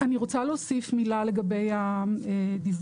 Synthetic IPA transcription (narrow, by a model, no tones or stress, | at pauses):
aniʁo̞t͡saleosifmilale̞ɡabe̞jaed̪iv